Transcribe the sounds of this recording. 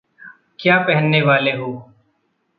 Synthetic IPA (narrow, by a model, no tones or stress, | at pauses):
kjaːpɛɦənːeʋaːleɦoː